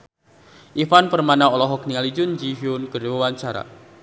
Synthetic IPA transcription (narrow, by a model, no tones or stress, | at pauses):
ʔifanpərmanaɔlɔɦɔk̚niŋalid͡ʒʊnd͡ʒiɦiʊnɡərwəwaɲt͡ʃaɾa̰